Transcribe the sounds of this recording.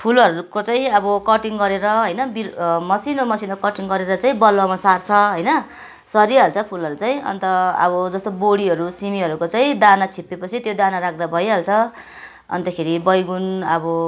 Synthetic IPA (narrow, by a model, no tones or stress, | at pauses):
pʰulʌɾukot͡saĩʌbʌkʌʈiŋɡʌɾeɾʌɦʌjnʌbimʌsinomʌsinokʌʈiŋɡʌɾeɾʌt͡saĩbʌlːomasart͡sʰʌɦʌjnʌ | sʌɾiɦʌlt͡sʰʌpʰulɦʌɾut͡saĩʌ̰nt̪ʌʌ̰bʌd͡zʌst̪oboɽiɦʌɾusimiɦʌɾukot͡saĩd̪anat͡sʰipːepʌt͡sʰit̪jod̪anaɾak̚ʰd̪abʱʌjɦʌlt͡sʰʌ | ʌ̰nt̪ʌkʰeɾibʌjɡunʌbʌ